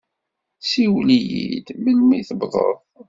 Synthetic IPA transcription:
siwlijḭd̪məlmiθəbðˤə̰ðˤ

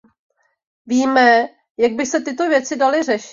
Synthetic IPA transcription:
viːmɛ | jaɡ̚bɪsɛt̪ɪt̪o̞vjɛt͡sɪdalɪrɛʃɪ

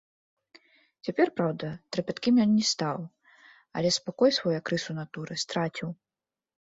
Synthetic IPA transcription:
t͡sʲapʲɛrpɾawd̪ɐt̪ɾɨpʲat̪kʲimʲjɔnːʲɛst̪aw | ɐ̰lʲɛspakɔjsvɔjakɾɨsunat̪uɾɨst̪ɾat͡sʲiw

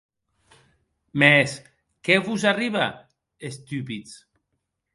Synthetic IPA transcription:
mes | keβuzariβa̰ | est̪ypit͡s

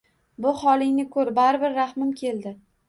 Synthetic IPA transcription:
bʊχɒlˠɪŋnɪkʰɵɾbaɾɪbɪɾːahmɪmkʲʰe̞ld̪ɪ

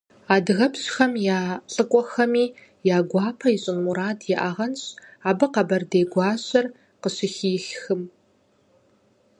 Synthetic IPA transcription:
aːdɣɐpɕxɐmjaːɬʼɨkʷʼɔxɐmiː | jaːɡʷɑːpʰɐiɕʼɪnmuɾaːdjɛʔaʁɐnɕaːbɨqɐbɐrdeːɡʷɑːɕɐr | qəɕɪxiːxxɨm

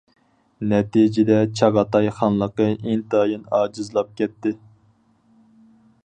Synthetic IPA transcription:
nɛt̪id͡ʒɪd̪ɛt͡ʃʰɑʁɑt̪ɑjχɑnlˠəqəʔint̪ɑjɨnɑːd͡ʒɨzlˠɑp̚kʲɛt̪ːɪ

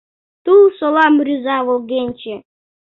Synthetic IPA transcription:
t̪ulˠsolˠɑmɾʲyzɑβolˠɣenʲt͡ɕe

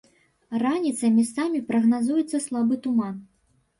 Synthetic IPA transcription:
ranʲit̪sɐmʲisamʲipɾɐɣnazujɛt̪sːɐslˠabɨt̪uman

